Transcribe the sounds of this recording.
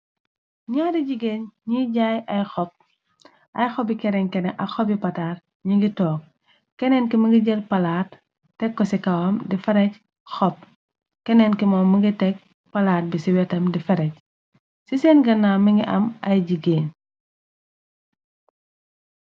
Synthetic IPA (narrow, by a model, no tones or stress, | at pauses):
ɲɔːdiɟiɡeːɲɲiɟajɐjxɔp̚ | ʔɐjxɔbikɛɾɛŋkɛnɛʔɐxɔbipɐtaːɾ | ɲiŋɡitɔːk̚ | kɛnɛnkimɐɡiɟɛlpɐlaːtː | ɛkːɔsikɐwɐmdifɛɾɛc | xɔp̚ | kɛnɛnkimɔːmːɐŋɡitɛk̚ | pɐlaːt̚bisiwɛtɐmdifɐɾɛc̚ | sisɛnɡɐnːaːmiŋɡiʔɐ̰mɐjɟiɡeːɲ